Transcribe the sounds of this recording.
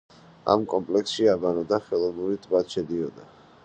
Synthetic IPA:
a̰mkʼɔmpʼlɛksʃiabanɔd̪aχɛlˠɔbuɾit̪ʰbad̪ʃɛd̪iɔd̪a

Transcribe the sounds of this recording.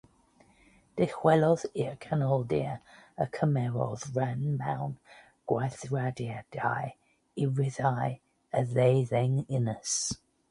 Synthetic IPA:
d̥ɪxwɛlɔðiəkʰanɔlˠdḭəəkʰəmɛɹɔ̰ðɹanmãʊn | ɡ̥waθɹadiad̥a̰ɪ | ɪɹɪðaɪ | əðeɪðɛŋɪnəs

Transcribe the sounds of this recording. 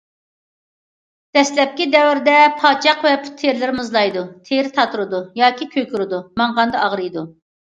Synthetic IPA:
d̪̥ɛslɛp̚kʲid̪ɛwɪɾd̪ɛpʰɑːt͡ʃʰɑqvɛpʰu̥t̪ʰːeɾlɪɾmɨzlˠɑjd̪ut̪ʰeɾɪt̪ʰɑt̪ʰuɾɨd̪ujɑːkʲʰikʲʰøkʲyɾɨd̪umɑɴʁɑnd̪ɑɑʁɾɨjd̪u

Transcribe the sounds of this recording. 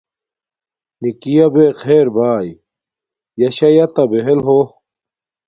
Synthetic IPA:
nikijɐbeːxʰeːɾbaːji | jɐɕɐjɐt̪ɐbeɦelɦo

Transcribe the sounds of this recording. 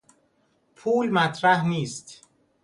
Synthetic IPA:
pʰuːlmæt̪ʰɾæhniːst̪

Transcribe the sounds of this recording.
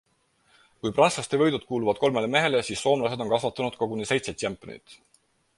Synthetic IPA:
kujprɑnslɑst̪evɤjd̪ud̪̚kuːluvɑd̪̥̚ko̞lme̞le̞me̞ɦe̞lesiːsːo̞ːmlɑse̞d̪̥o̞nkɑsvɑt̪ːˑɑnud̪̥kɑkunise̞jt̪set̪ʲːempːˑo̰nḭt̪ˑ

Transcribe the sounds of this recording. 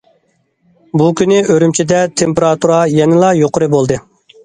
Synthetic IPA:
bukʲynɪʔøɾymt͡ʃʰid̪ɛt̪ʰempeɾɑt̪uɾɑjɛnɪlˠɑjoqʊɾɨbolˠd̪ɨ

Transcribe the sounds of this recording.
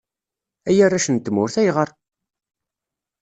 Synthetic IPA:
æjærːæʃənt̪ːəmʊɾθæjʁəɾˤ

